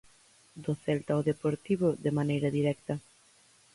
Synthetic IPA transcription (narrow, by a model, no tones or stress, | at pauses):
d̪oθɛlt̪aoðepoɾt̪iβoðemanejɾɐðiɾɛk̚t̪ɐ